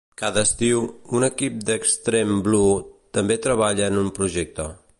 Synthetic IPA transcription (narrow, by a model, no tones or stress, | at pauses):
kaðəːst̪iwunəkip̚d̪əkst̪ɾemblut̪əmbet̪ɾəβ̞aʎəːnumpɾuʒɛk̚t̪ə